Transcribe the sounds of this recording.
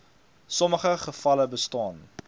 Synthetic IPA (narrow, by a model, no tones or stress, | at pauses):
sɔməχəχəfɐləbəstɑːn